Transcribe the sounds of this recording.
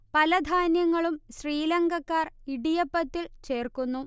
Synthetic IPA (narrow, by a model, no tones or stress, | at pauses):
pɐlɐd̪ʱaːnjɐŋːɐɭumɕriːlɐŋɡɐkːaːriɽijɐpːɐt̪ːilt͡ɕe̞ːrkunːu